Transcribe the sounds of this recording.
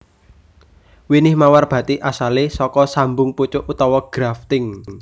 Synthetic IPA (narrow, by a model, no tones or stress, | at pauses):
winɪhmawarb̥ä̤t̪iʔasalesɔkɔsambʊŋput͡ʃʊʔut̪ɔwɔɡ̥ɾaft̪ɪŋ